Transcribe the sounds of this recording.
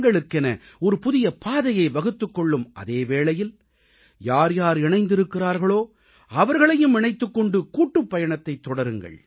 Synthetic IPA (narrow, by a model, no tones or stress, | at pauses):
ɡɐɭɯkːɪnɐ | ɔɾɯpʊðɪjɐpʰaːðɐjɐɪʋɐɣɯt̪ːɯkːɔɭːɯmʔɐ̰ðeːʋeːɭɐjɪl | jaːɾjaːɾɪɳɐɪnd̪ɪɾɯkːɪraːɾɣɐɭoː | ɐʋɐɾɣɐɭɐjɯmɪɳɐɪt̪ːɯkːɔɳɖɯkuːʈːɯpːɐjɐɳɐt̪ːɐɪt̪ːɔɽɐɾɯŋɡɐ̰ɭ